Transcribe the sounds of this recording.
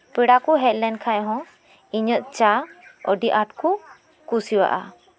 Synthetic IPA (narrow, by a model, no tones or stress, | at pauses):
piɽakuɦɛt̪̚lɛnkʰajɦɔ̃ | iɲəʔ̪t͡ʃaɔɖiʔaʈku | kusiwa̰ʔa̰